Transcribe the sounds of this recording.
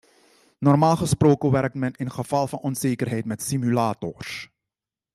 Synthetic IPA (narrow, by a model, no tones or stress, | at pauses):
nɔrmaːlˠχəsproːkəʋɛrk̚tmɛnɪnχəv̥ɑlˠvɑnɔnzeːkərɦɛjtmɛtsimylaːtɔrs